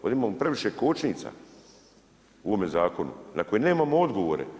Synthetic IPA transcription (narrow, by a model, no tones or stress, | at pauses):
o̰d̪imaːmopɾe̞ʋiʃekoːt͡ʃniːt̪sa̰ | uoomezaːko̞nṵnako̞jene̞ːmaːmood̪ɡo̞ʋo̰ɾḛ